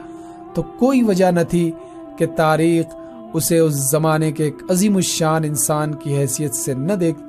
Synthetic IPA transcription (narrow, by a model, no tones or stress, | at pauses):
t̪okoːiʋɐd͡ʒanɐt̪ʰi | ket̪aːɾiːx | ʊseʊszɐmaːnekeːkɐziːmoʃaːnɪnsaːnkiɦɛːsijət̪senɐd̪eːk̚ʰ